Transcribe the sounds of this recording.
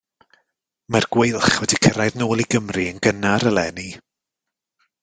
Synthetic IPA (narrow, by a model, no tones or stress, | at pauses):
marɡwejlˠχwɛdikʰəɾajðnoːlˠiɡəmriənɡənaɾəlˠɛni